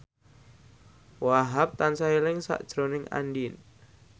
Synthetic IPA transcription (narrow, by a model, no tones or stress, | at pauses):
waɦap̚t̪ansailɪŋsa̰ʔd̥ʒ̥ɾonɪŋa̰ndin